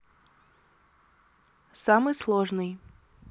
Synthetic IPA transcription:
samɨjslˠoʐnɨj

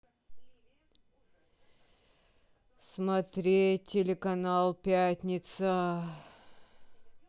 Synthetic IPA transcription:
smɐt̪ɾʲetʲːɪlʲɪkɐnalˠpʲætʲnʲɪt̪sə

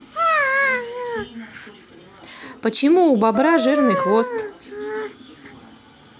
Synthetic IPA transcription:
pət͡ɕɪmuːbabɾaʐɨrnɨxvost̪

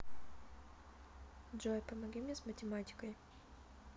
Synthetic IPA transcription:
d͡ʒɔjpɐmɐɡʲimʲnʲesmətʲɪmatʲɪ̥kəj

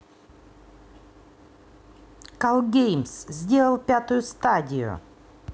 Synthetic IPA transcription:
kalˠɡʲejmszʲdʲe̞lˠəlˠpʲat̪ʊjʊst̪adʲɪjʊ̰

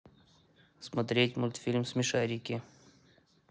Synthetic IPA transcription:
smɐt̪ɾʲetʲmʊlʲt̪fʲilʲmsmʲɪʂaɾʲɪkʲɪ

